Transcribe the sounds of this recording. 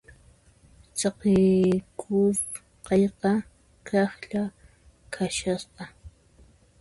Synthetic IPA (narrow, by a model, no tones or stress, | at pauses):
t͡sɑqɪkʰʊ | qɑjqɑ | kʰɑχʎa | kʰaʃɑsqɑ